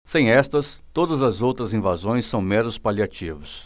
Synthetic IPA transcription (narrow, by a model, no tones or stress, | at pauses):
sẽj̃ɛst̪ɐst̪od̪ɐzɐzowt̪ɾɐzĩvazõj̃sːɐ̃w̃mɛ̃nʊspaliat͡ʃivʊs